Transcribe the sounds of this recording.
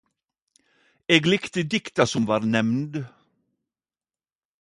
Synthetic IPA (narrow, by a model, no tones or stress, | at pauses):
eːɡlɪkt̪əd̪ɪkt̪asʊmʋɑːɾnɛmnd̪